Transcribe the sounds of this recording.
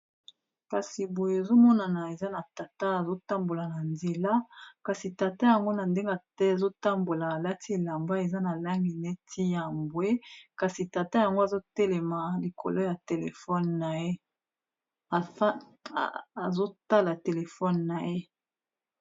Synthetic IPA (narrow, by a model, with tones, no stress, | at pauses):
ka˨si˨bo˨je˨zo˦mɔ˦na˨na˨e˨za˦na˨ta˨ta˦a˨zo˦ta˦mbo˨la˨na˨nze˨la˦ka˨si˨ta˨ta˦ja˨ŋɡo˦na˨nde˦ŋɡa˨tɛ˦a˨zo˦ta˦mbo˨laː˨la˦ti˦˨la˨mba˦e˨za˦na˨la˦ŋɡi˨ne˦tʰi˦ja˨mbwe˦ka˨si˨ta˨ta˦ja˨ŋɡo˦a˨zo˦tɛ˦lɛ˨ma˨li˨kʰo̰˨lo˦ja˨te˨lḛ˨fɔ˦nna˨je˦ | a˨˦ | a˨zo˦ta˦la˨te˨le˨fɔ˦nːa˨je˦